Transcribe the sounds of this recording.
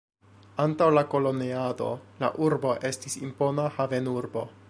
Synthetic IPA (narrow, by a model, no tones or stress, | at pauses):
antawlako̞lo̞neado̞̰la̰ʔuɾbo̞ʔe̞stisḭmpo̞nahave̞nuɾbo̞̰